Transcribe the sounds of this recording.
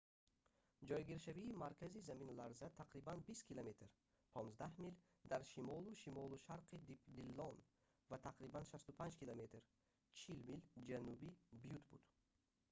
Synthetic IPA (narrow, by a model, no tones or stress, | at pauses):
d͡ʒɔjɡiɾʃaviːmaɾkʰʲazizaminlaɾzat̪ʰaqɾibanbist̪kʰilamet̪ʰɾ | pʰɔnzd̪ahmil | d̪aɾʃimɔluʃimɔluʃaɾqʰid̪d̪ilːɔn | vat̪ʰaqɾibanʃast̪upʰand͡ʒkilamet̪ʰɾ | t͡ʃʰilmild͡ʒanubibijut̪bṵd̪̥